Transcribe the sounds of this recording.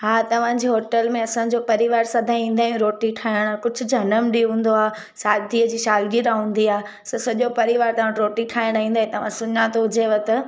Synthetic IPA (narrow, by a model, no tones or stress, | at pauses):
ɦaːt̪ɐʋ̤ãd͡ʑeɦoːʈəlmẽɐsãːd͡ʑopɐɾɪʋaːɾsɐd̪ʱãĩːn̆d̪aːɦjũɾoːʈiʈʰaːɪɽ̃aːkʊd͡ʑʱʊ̆d͡ʑʱɐnəmɗiɦũːn̆d̪oaː | saːd̪ʱiəd͡ʑiːʃaːlɡiɾaɦũːn̆d̪iaː | sɐsɐʄopɐɾɪʋaːɾt̪ɐʋ̤ãɾoːʈiʈʰaːɪɽ̃aːĩːnd̪aːĩt̪ɐʋ̤ãsʊɲãt̪oɦʊd͡ʑʱeʋɐt̪ɐ